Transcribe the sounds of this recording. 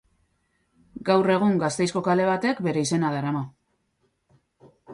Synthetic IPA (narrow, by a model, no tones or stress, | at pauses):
ɡawre̞ɣ̞uŋɡast̪e̞jsko̞kale̞β̞at̪e̞kbe̞ɾe̞ise̞naðaɾama